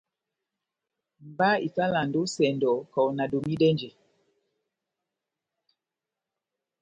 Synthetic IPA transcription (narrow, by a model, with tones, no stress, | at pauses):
m˨ba˦i˨sa˦la˨ndo˦sɛ˨ndɔ˨kɔ˨wna˨do˨mi˦dɛ˦nd͡ʒɛ˨